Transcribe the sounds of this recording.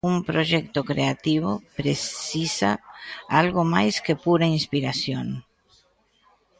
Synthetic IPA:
umpɾoʒɛk̚t̪okɾeat̪iβ̞opɾeisaalɣomajskepuɾainspiɾasjon

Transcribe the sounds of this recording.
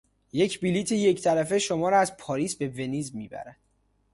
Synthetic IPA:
je̞cʰbiliːt̪ʰeje̞ct̪ʰælæfe̞ʃomɒːɾæzpʰɒːɾiːsbe̞ve̞niːzmiːbæ̰ɾæd̪̥

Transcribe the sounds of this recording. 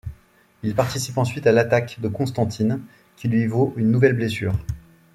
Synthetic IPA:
ilpaʁt̪isipɑ̃sɥit̪alat̪akd̪əkɔ̃st̪ɑ̃t̪ʰin | kʲilɥivoʔynːuvɛlblesyːʁ

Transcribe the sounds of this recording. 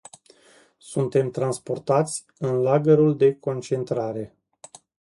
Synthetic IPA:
sunt̪e̞mt̪ɾanspo̞rt̪at̪sʲ | ɨnlaɡəɾuld̪e̞ko̞nt͡ʃe̞nt̪ɾaɾe̞

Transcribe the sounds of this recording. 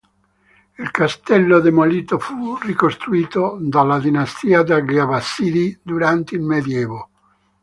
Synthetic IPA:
ilkast̪ɛlːod̪emoliːt̪ofurikost̪ɾuiːt̪od̪alad̪inast̪iːad̪aɡiavasːiːd̪id̪uɾant̪eilmed̪jɛːvo

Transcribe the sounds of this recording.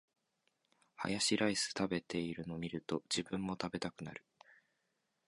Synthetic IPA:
ha̰jaɕiɾaisɨ̥t̪abe̞t̪e̞iɾɯ̟no̞mʲiɾɯ̟t̪o̞d͡ʑibɯ̟̃mːo̞t̪abe̞t̪akɯ̟na̰ɾɯ̟

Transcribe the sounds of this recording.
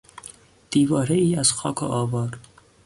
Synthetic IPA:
d̪̥iːvɒːɾeiːazxɒːkʰo̰ʔɒːvɒːɾ

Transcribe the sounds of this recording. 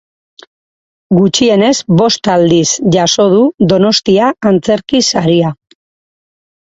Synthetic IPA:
ɡut͡ʃie̞ne̞zbo̞st̪ald̪isʝaso̞ð̞uðo̞no̞st̪iaːnt͡se̞ɾkisaɾia

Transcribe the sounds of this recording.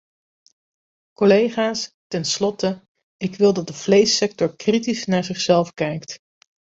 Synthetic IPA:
kolejχaːs | tɛnslɔtə | ɪkʋɪlˠdɑt̚dəvlejsɛk̚tɔɹkritisnaːɹzɪχsɛlˠfkɛjkt

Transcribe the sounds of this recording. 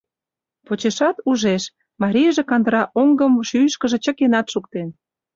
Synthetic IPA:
pot͡ɕeʃɑt̪uʒeʃ | mɑɾʲijʒĕkɑnd̪əɾɑʔoŋɡəmʃyjʃkə̆ʒĕt͡ɕə̆kenɑt̪ʃukt̪en

